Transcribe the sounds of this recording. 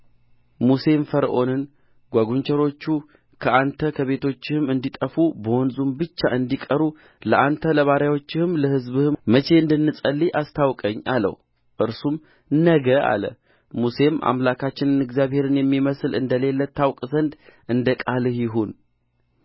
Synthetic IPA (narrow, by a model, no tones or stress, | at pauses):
muse̞mfəɾʔo̞nɨn | ɡ̥ʷaɡuɲt͡ʃəɾo̞t͡ʃːu | kʰəʔant̪ʰəkʰəβe̞t̪ʰo̞t͡ʃːɪhɨmɨnd̪it̪ʼəfubəwɔnzumbɨt͡ʃːaɨnd̪ikʼəɾu | ləʔant̪ʰələβaɾjawo̞t͡ʃːɪhɨmləhɨzβɨhɨmət͡ʃe̞ɨnd̪ɨnːɨsʼəlːiʔast̪ʰawkʼəɲːa̰lə̰w | ʔɨɾsum | nəɡəa̰lə̰ | muse̞mʔa̰mlakʰat͡ʃːɪnɨnɨɡzijaβhe̞ɾɨnjɛmːiməsɨlɨ̰nd̪əle̞lːət̪ʰːawkʼzənd̪ʔɨnd̪əkʼalhjɪɦun